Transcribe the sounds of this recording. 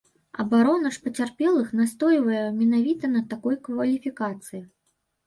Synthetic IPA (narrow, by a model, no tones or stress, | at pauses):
ɐ̰baɾɔnɐʂpɐt͡sʲarpʲɛlˠɨxnast̪ɔjvɐjɛmʲɛnavʲit̪ɐnɐt̪akɔjkvɐlʲifʲikat̪sɨji